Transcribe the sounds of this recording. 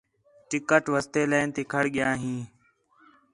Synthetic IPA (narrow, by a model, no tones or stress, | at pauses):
ʈɪkəʈʋəst̪eːləːnt̪iːkʰəɽɠɪjãːɦĩː